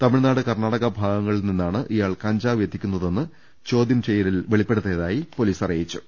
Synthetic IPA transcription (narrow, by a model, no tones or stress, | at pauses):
t̪ɐmiɭnaːɽɨkɐrnaːɽɐɣɐbʱaːɡɐŋːɐɭilninːaːɳɨʔijaːɭkɐɲd͡ʑaːʋjɐt̪ːikʲːunːɐðe̞nːɨ | t͡ɕo̞ːd̪jɐmt͡ɕejːɐɾilʋe̞ɭipːe̞ɽut̪ːeðaːjipo̞liːsɐrijit͡ɕːu̥